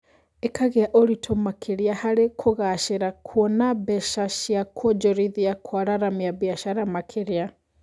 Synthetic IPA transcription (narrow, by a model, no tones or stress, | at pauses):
ekaɣeaʔoɾitʰomakʰeɾeahaɾekʰoɣaʃeɾakʰwɔnabɛʃaʃjakʰɔd͡ʒɔɾiðiakʰwaɾaɾamiaβiaʃaɾamakʰeɾea